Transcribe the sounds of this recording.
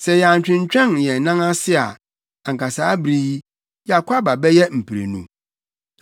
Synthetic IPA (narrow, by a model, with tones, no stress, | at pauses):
sɛ˨jɛ˨a˨ɲ̩˨t͡ɕᶣɪ̃˨ɲ˦t͡ɕᶣɛ̃˦njɛ˨nã˦ŋã˦sɪ˦a̰˨ | a˨ŋ̩˨kʰa˨saː˦bɾi˦ | ja˨kʷʰa˦ba˨bɛ˦jɛ˦m̩˨pʰi˨ɾḛ˨nṵ̃˦